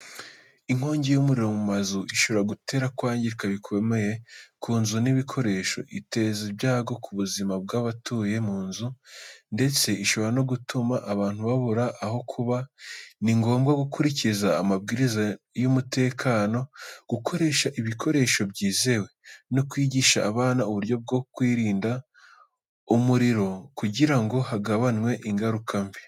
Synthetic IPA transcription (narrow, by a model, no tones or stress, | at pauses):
iŋ̥oːɲɟejumuɾiɾo̞mumazuʔiʃo̞βeɾaɡute̞ːɾakwaːɲɟiɾkaβikʰo̞me̞jekʰuːnzuniβikʰo̞ɾe̞ʃo̞̰ʔite̞zibɟaːɡo̞kʰuβuzimab̚ɡaβatʰuje̞muːnzunde̞t͡se̞iʃo̞βoɾano̞ɡutʰumaʔaβaːn̥huβaβuɾaʔːɦo̞kʰuβaniŋɡo̞ːmɡaɡukʰuɾicizaːmabɡiːɾiza | jumute̞ːkʰaːno̞ɡ̥ukʰo̞ɾe̞ʃaʔiβikʰo̞ɾe̞ʃo̞bɟiːze̞we̞nokwiːɟiʃaːβaːnauβuɾjo̞b̚ɡokwiːɾiːnda | umuɾiɾo̞kuɟiɾaŋɡo̞haɡaβanŋwe̞ʔiŋɡaɾukʰamvi